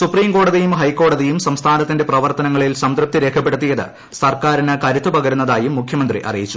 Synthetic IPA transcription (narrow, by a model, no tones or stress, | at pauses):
supriːmko̞ːɽɐðijumɦɐjkːo̞ːɽɐðijumsɐmst̪ʰaːnɐt̪ːinde̞prɐʋɐrt̪ɐnɐŋːɐɭilsɐmd̪rɨp̚t̪iɾe̞ːkʰɐpːe̞ɽut̪ːijɐðɨ̰ | sɐrkaːɾinɨkɐɾut̪ːupɐɡɐɾunːɐðaːjumːukʰjɐmɐnd̪rḭʔɐ̰rijit͡ɕːu